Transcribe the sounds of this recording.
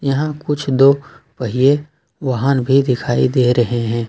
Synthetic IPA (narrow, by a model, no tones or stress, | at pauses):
jɐɦãkʊt͡ʃʰd̪oː | pɐɦije | ʋɐɦaːnbʱid̪ɪkʰaːḭd̪eːɾɐɦeɦɛ̃ː